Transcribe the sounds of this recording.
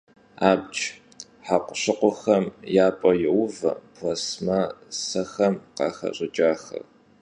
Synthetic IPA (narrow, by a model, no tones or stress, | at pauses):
aːbt͡ʃʼ | ħaqʷʊɕɪqʷʊxɐmjaːpʼɔjɪwvɐ̰pʰlɐsmɐsɐxɐmqɑ̰ːxɐ̰ɕʼɪt͡ʃʼaːxɐ̰r